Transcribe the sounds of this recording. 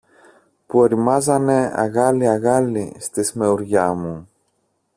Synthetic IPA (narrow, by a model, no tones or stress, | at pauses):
pueɾimɐzɐne̞ɐ̰ɣɐliɐɣɐlist̪isme̞uɾʝɐmu